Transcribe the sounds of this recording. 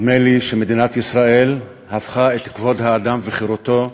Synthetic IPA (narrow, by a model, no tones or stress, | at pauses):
meliʃemed̪inat̪isʁae̞l | hafχaet̪kvo̞d̪haːd̪amveχiɾot̪o̞